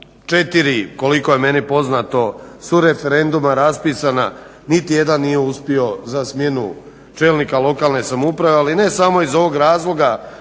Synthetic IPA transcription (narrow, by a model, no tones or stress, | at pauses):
t͡ʃet̪iɾiko̞liko̞je̞me̞nipo̞znat̪o̞suɾe̞fe̞ɾe̞nd̪umaɾaspisana | nit̪ije̞d̪anːijeuspio̞zasmje̞nu | t͡ʃe̞lˠnikalˠo̞kaːlˠne̞samupɾaʋe̞aline̞samo̞izo̞ʋo̞ɡɾaːzlo̞ɡa